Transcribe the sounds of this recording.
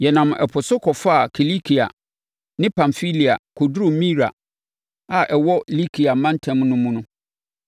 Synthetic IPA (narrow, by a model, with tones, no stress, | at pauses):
jɛ˨nã˨m˨ʔɛ̰˨pʰʊ˨sʊ˦kʰɔ˨fa˦˨kʰi˨li˦kʰi˨a̰˨ | nɪ̃˦pʰã˨ɱfi˦li˨a̰˨kʰo˨dɾu˨mĩ˦ɾa̰˨ | a˨ʔɛ˨wɔ˦li˦kʰi˨a˨mã˦n˦tʰɛ̃˨˦mnʊ̃˦mũ˦nʊ̃˦